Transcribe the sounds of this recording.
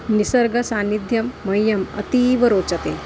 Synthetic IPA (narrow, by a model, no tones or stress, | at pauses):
nisəɾɡɐsaːnid̪ʱjɐmːɐjːɐmɐ̰t̪iʋəɾoːt͡sət̪e